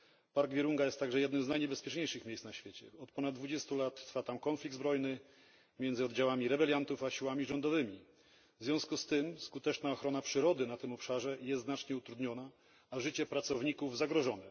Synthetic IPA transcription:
paɾɡvʲjɛɾuŋɡajɛst̪ːaɡʐɛjɛd̪nɘmznajɲɛbɛspʲjɛt͡ʂɲejʂɘxmʲejsnaɕfʲjet͡ɕɛ̰ɔt̪̚pɔnad̪d̪vud͡ʑɛst̪ulat̪ːɾfat̪amkɔnflʲiɡ̪̚zbɾɔjnɘ | mʲjɛnzɘɔd̪d͡ʑawamʲiɾɛbɛlʲjant̪ufaɕiwamʲiʐɔnd̪ɔvɘmʲi | vzvʲjɔ̃w̃skust̪ɘmskut̪ɛt͡ʂnaɔxɾɔnapʂɘɾɔd̪ɘnat̪ɘmɔpʂaʐɛjɛst̪znat͡ʂɲɛut̪ɾud̪ɲɔnaː | ʐɘt͡ɕɛpɾat̪sɔvɲikuvzaɡɾɔʐɔnɛ

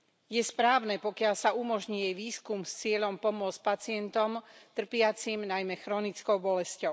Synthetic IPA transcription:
jɛspɾaːʊnɛpɔkɪaʎsaumɔʒɲijɛjʋiːskumst͡sɪɛʎɔmpɔmʊɔt͡spat͡sɪɛnt̪ɔmt̪r̩pɪat͡simnajmɛxɾɔnit͡skɔʊbɔlɛscɔʊ

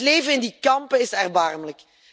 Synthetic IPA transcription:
tleːvənɪndikɑmpəɪsɛrbɑrmələk

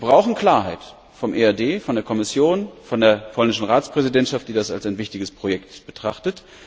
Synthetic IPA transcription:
bʁaʊxn̩kl̥aːɐɦaɪt | fɔmʔeːɛɐdeːfɔndeːɐkʰɔmɪsjoːnfɔndeːɐpʰɔlnɪʃn̩ʁaːt͡spʁ̥ɛzidɛntʃaft̚d̥iːdasalsaɪnvɪçtɪɡəspʁ̥ojɛktb̥ətʁ̥a̰χtət

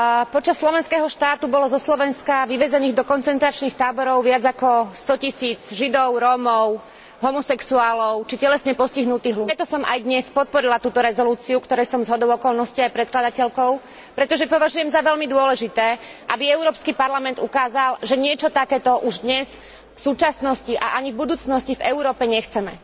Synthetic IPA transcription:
pɔt͡ʃasːlɔʋɛnskɛːɦɔʃt̪aːt̪ubɔlɔzɔslɔʋɛnskaʋiʋɛzɛniːɣd̪ɔkɔnt͡sɛnt̪ɾat͡ʃniːxt̪aːbɔɾɔʊʋɪad͡zakɔst̪ɔcisiːd͡zʒid̪ɔʊɾɔːmɔʊ | ɦɔmɔsɛksuaːlɔʊt͡ʃicɛlɛsɲɛpɔsciɦnut̪iːɦluɾɛt̪ɔsɔmʔajd̪ɲɛspɔt̪̚pɔɾilat̪uːt̪ɔɾɛzɔluːt͡siukt̪ɔɾɛjsɔmzɦɔd̪ɔʊɔkɔlnɔsciajpɾɛt̪̚klad̪acɛʎkɔʊ | pɾɛt̪ɔʒɛpɔʋaʒujɛmzaʋɛʎlmid̪ʊɔlɛʒit̪ɛː | ʔabiɛʊɾɔːpskipaɾlamɛnd̪ukaːzalʒɛɲɪɛt͡ʃɔt̪akɛːt̪ɔʔuʒd̪ɲɛs | fsuːt͡ʃasnɔsciʔa̰ʔaɲivbud̪uːt͡snɔscivɛuɾɔːpɛɲɛxt͡sɛmɛ̰

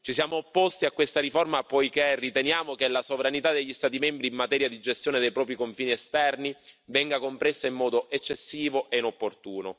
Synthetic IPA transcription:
t͡ʃisjaːmoːpːost̪iakːwest̪aɾiformapɔjkerit̪enjaːmokelasovɾanit̪ad̪eʎːist̪aːt̪̬imɛmbɾiːmːat̪ɛːɾjad̪id͡ʒest̪joːned̪ejpɾɔːp̬ɾikoɱfiːniest̪ɛrnivɛŋɡakompɾesːaimːɔːd̪oʔet͡ʃːesːiːvoʔeinopːort̪uːno

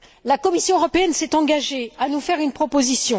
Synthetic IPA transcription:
lakɔmisjɔ̃øʁɔpeɛnsɛt̪ɑ̃ɡaʒeanufɛʁynpχɔpozisjɔ̃

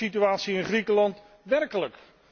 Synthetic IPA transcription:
ityaːtsiɪnχrikəlɑnt | ʋɛrkələk

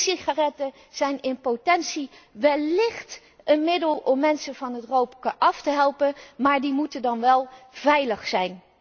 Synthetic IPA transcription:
siχarɛtə | z̥ɛjnɪnpotɛnsiʋɛlːɪχt | ənmɪdəlˠɔmːɛnsənvɑnɦətrowpkəʔɑftəɦɛlˠpənmaːɹdimutəndɑnʋɛlˠv̥ɛjləχsɛjn

